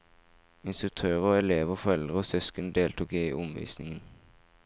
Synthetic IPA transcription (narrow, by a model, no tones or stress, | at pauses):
ɪnst̪ʁʉk̚t̪ʰøːʁəoːɛleːʋoːfɔʁɛld̪ʁəoːsœskənd̪eːlt̪uːkeḭːʔʊmʋḭːsnɪŋən